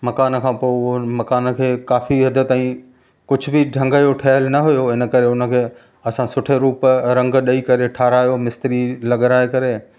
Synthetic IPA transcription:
mɐkaːnkʰãːpomɐkaːnkʰeːkaːfiɦɐd̪ʱət̪aːĩ | kʊd͡ʑʱʊ̆bɪɖʱɐ̃ŋɡəjoʈʰɐɦəlnɐɦʊjoɦɪnə̆kɐɾeʊnə̆kʰeː | ɐsãsʊʈʰeɾuːpɾɐ̃ŋɡɗɐikɐɾeʈʰaːɾaːjomɪst̪ɾilɐɠɾaːekɐɾe

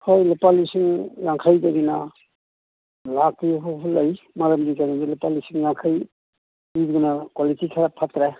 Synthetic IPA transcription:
hɔjlopalisiŋlaŋkʰajdaɡina | lakiɦɔpʰulaj | maɾamdikanidilopalisiŋlaŋkʰaj | ibunakwalitikʰaɾapʰatɾe

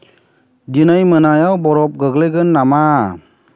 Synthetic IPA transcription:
d͡ʒinajmənajawbɔɾɔp̚ɡəɡleɡɯnːama

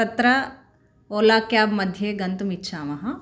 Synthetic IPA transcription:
ɐt̪ɾɐ | oːlaːkjaːbmɐd̪ʱjeɡɐnt̪umitːʃʰaːmɐɦɐ̃

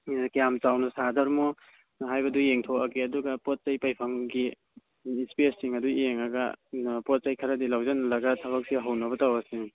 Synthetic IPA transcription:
kijamt͡ʃawnɐsadɐɾmɔ | ɦajbɐdujeŋtʰowɐɡiɐduɡɐpot̚t͡ʃajpajpʰɐŋɡi | ispesːiŋɐdujeŋɐɡa̰pɔt̚t͡ʃajkʰɐɾɐdilawzanɐlɐɡatʰɐβɐk̚siɦawnɐβɐtawɐsi

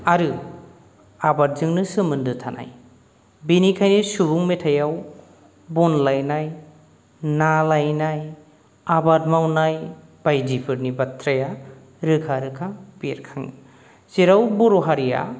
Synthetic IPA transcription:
aɾɯ | abaɾ̚zɯŋnɯsɯmɯndɯtʰanʔa̰j | binikʰajnisubuŋmetʰajaw | bɔnlajnaj | nalajnaj | abadmawnaj | b̥ajdipʰɯɾnibatʰɾaja | ɾɯkʰaɾɯkʰapeɾkʰaŋḭ | zeɾawbɔɾoɦaɾija̰

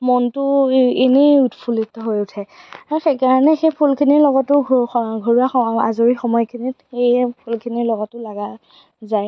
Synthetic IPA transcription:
mɔntʊenejutpʰulitɔɦojʊtʰɛaɹɔxejkaɹanɛxejpʰulkʰiniɹlɔɡɔtʊɡʱoɹiaxɔazoɹixɔmɔjkʰinitxejpʰulkʰiniɹlɔɡɔtːʊlaɡa | zaj

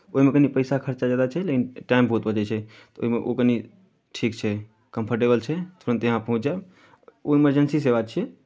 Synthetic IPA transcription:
oɦimekənipəjsakʰəɾt͡ʃad͡ʒjad̪at͡ʃʰɛlekinʈaimbəɦut̪̚bəd͡ʒɛt͡ʃʰɛ | t̪ɔo̰ɦimeʔo̰kəni | ʈʰikt͡ʃʰɛ | kəmpʰəɾʈ̬ebəlt͡ʃʰɛt̪ʰoɾə̃nt̪ejəɦãpəɦũt͡ʃd͡ʒa | oiməɾd͡ʒənsiseβat͡ʃʰɛ

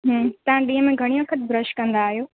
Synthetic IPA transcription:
ɦə̃ːt̪ɐʋãɗiːɦəmẽɡʱɐɽ̃iʋɐkʰət̪̚bɾəʃkɐ̃nd̪aːɦijoː

